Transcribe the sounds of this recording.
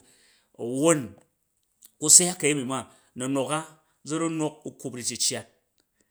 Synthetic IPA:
o˨wo˦n | ku˦sa˦a˦kːa˨ji˦mi˨ma˦ | nɐ˨no˨ka˦ | d͡zɐ˦ɾu˦no˦k̚u˦ku˦pɾi˨t͡ʃi˨t͡ʃa˨t̚

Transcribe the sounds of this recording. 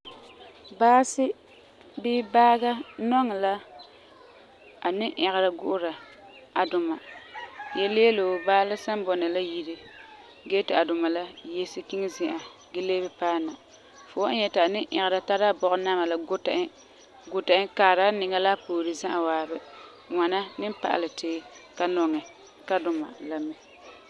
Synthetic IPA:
baː˦sɪ˦ | bɪː˦baː˦ɡa˦nɔ˦ŋ˨la˦ | a˨nɪ˦ʔɛ˨ɣɪ˨ɾa˨ɡʊ˦ʔʊ˦ɾa˨ | a˨dʊ˨ma˨jɛ˦lɪ˦jɛ˦lo˨baː˦la˦sa˦mbɔ˨nɨ˨la˦ji˦ɾɨ˦ | ɡɛː˦tɪ˨a˨dʊ˨ma˨la˦jɛ˦sɨ˦ki˦ŋ˦zɪ˦˨ʔa˨ | ɡɪ˦leː˦bɛ˦paː˦˨na˨ | fo˨˦ʔa˦ɲɛ˦tɪ˨a˨nɪ˦ʔɛ˨ɣɪ˨ɾa˨ta˦ɾa˦bɔ˦˨ʔʊ˦na˦ma˨la˨ɡʊ˦tʔ | ɡʊ˦ta˨ʔɪ˦kaː˨ɾa˦nɪ˨ŋa˦la˦poː˨ɾɨ˦zã˦ʔa˨waː˨bɛ˦ | ŋʷa˨na˦nɨ˦m˦pa̰˨ʔa̰˨lɨ˨teː˦ka˦nɔ˨ŋɛ˨ | ka˦dʊ˨ma̰˨la˦mɛ˦

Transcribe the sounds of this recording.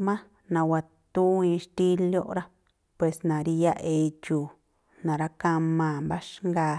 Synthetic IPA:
mã˦ | nã˨wa˨ | t̪u˦ĩ˧ʃt̪i˦ljo˦ʔɾa˦ | pwe˨snã˨ɾi˧ja˦ʔe˧t͡ʃuː˨ | nã˨ɾa˦ka˧mã˧˨mba˦ʃŋɡa˧

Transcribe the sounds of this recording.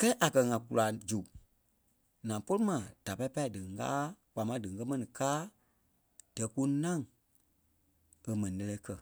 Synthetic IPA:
kɛ˦ʔa˨kɜ˧ŋã˨ku˨la˨d͡ʒu˨ | nã˨po˦lɨ˦mã˨d̥a˨pa˧˦pa˦i˨dɨ˨˦ɡa̰ː˦k͡pa˨mã˨˦dɨ˨ŋ˨kɜ˦mɛ̃˦nĩ˨kaː˦ | d̥ɛ˨˦ku˦nã˦˨ŋ | ə˨mɛ̃˨nĩ˨lɛ˧lɛ˧˦kɜ˦˨

